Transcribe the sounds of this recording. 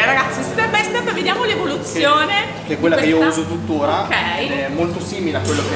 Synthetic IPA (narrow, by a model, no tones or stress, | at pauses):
ɾaɡat̪sːist̪ɛbɛst̪apɔjved̪jaːmolevolut̪sːjoːne | keɛkwelːakeiːouːzot̪ut̪ːoːɾaɛɛmːolt̪osiːmileakːwelːoke